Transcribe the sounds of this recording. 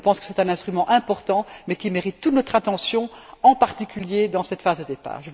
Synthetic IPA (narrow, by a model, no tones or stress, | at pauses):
əpɑ̃skə̥sɛt̪ɛ̃nɛ̃st̪χymɑ̃ʔɛ̃pɔʁt̪ɑ̃mɛkʲimeʁit̪ːut̪nɔt̪χãt̪ɑ̃sjɔ̃ɑ̃paʁt̪ikʲyljed̪ɑ̃sɛt̪faːzd̪əd̪epa̰ːʁʒəv